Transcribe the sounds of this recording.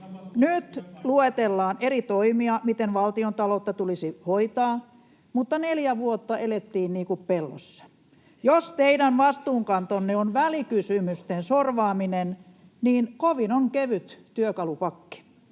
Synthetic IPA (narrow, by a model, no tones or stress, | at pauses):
nyt̪luet̪elːɑːnerit̪oimiɑmit̪enʋɑlt̪iont̪ɑlot̪ːɑt̪ulisihoit̪ɑː | mut̪ːɑneljæʋuot̪ːɑʔelet̪ːiːnniːŋkuppelːo̰sːɑ̥ | jost̪eidænʋɑst̪uːŋkɑnt̪onːeonʋælikysymyst̪ensorʋɑːminen | niːnkoʋinoŋkeʋyt̪t̪yøkɑlupɑkːi̥